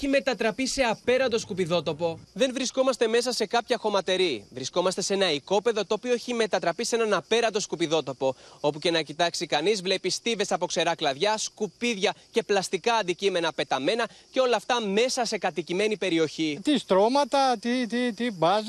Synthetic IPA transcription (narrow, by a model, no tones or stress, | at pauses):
çime̞t̪ɐt̪ɾɐpise̞ɐpe̞ɾɐnd̪o̞skupiðo̞t̪o̞po̞ðe̞nvɾisko̞mɐst̪e̞me̞sɐse̞kɐpçɐxo̞mɐt̪e̞ɾivɾisko̞mɐst̪e̞se̞nɐiko̞pe̞ðot̪o̞ːpioeçime̞t̪ɐt̪ɾɐpise̞nɐnɐpe̞ɾɐnd̪o̞skupiðo̞t̪o̞po̞o̞puce̞nɐcit̪ɐksikɐnizvle̞pist̪ive̞sɐpo̞kse̞ɾɐklɐðʝɐskupiðʝɐce̞plɐst̪ikɐːnd̪icime̞nɐpe̞t̪ɐme̞nɐce̞o̞lɐːft̪ɐme̞sɐse̞kɐt̪icime̞nipe̞ɾio̞çit̪ist̪ɾo̞mɐt̪ɐt̪it̪it̪ibɐz